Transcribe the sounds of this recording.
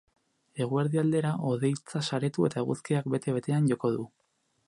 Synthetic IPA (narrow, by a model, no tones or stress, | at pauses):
e̞ɣ̞ueɾðiald̪e̞ɾaʔo̞ðe̞jt͡sasaɾe̞t̪ue̞t̪aeɣuskiakbe̞t̪e̞βe̞t̪e̞anʝo̞ko̞ðu